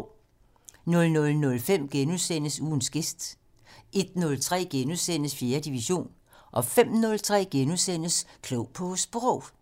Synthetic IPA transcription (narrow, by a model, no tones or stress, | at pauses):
nɔ̽lnɔ̽lnɔ̽lfem̰ɡ̥enuðˠsen̰əsuːn̩sɡ̥e̝sd̥ | e̝d̥nɔ̽lt͡sʰʁɛ̰ːɡ̥enuðˠsen̰əsfje̝ːɐd̥iʋiɕo̝̰ːn | ʔɒ̽fem̰nɔ̽lt͡sʰʁɛ̰ːɡ̥enuðˠsen̰əskʰlɔʊpʰɒ̽sb̥ʁɔʊ̰